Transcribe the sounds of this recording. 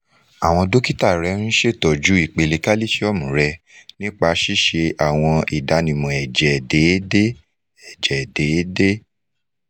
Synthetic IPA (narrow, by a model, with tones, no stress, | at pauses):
a˨w̃ɔ̃˧do˦ki˦ta˦˨ɾɛ˨˦ɾ̃ĩ˦ʃe˦˨tɔ˨d͡ʒu˨˦i˦˨k͡pe˧le˧ka˦li˦ʃe˦ɔ˦˨mũ˨ɾɛ˧ | nĩ˦k͡pa˧˦ʃi˦ʃe˧ʔa˨w̃ɔ̃˧i˨da˨˧nĩ˨mɔ̃˨ɛ˨d͡ʒɛ˨de˨˦de˦ | ɛ˨d͡ʒɛ˨de˨˦de˦